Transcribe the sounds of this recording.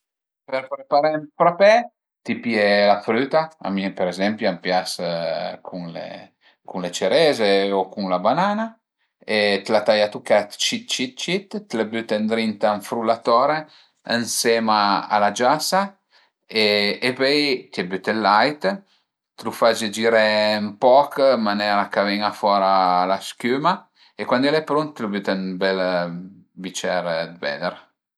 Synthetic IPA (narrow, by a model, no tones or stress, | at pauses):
peɾpɾepaɾampɾapɛ | t̪ipiɛlafɾyt̪aa̰mipeɾezɛmpjampjaskʰuŋlḛ | kuŋlet͡ʃeɾɛzeokuŋlabanana | et̪lat̪ajat̪ukat̪t͡ʃit̪̚t͡ʃit̪̚t͡ʃit̪ːlabyt̪end̪ɾint̪aɱfɾulat̪ɔɾe | ənsɛmaa̰lad͡ʒasa | eepɛjt̪iabyt̪elːajt̪ | t̪lufad͡ʒed͡ʒiɾempɔkmanɛɾakavɛŋafɔɾalaskyma | ekwand̪ɛlɛpɾunt̪ːlubyt̪ɛnbɛl | bit͡ʃɛɾd̪bɛ̰d̪eɾ